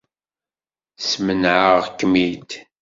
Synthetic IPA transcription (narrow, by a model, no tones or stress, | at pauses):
smənʕəʁkːmit̪